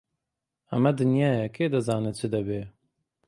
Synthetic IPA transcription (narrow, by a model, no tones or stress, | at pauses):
ɐmɛd̪ɨnjɑːjɛkʰeːd̪ɐzɑːnɨt͡ʃʰɨd̪ɐbeː